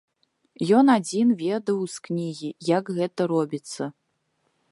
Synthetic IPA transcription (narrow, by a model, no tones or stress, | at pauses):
jɔnad͡zʲinvʲɛd̪ɐwsknʲiɣʲijaɡɣɛt̪ɐɾɔbʲit̪sːɐ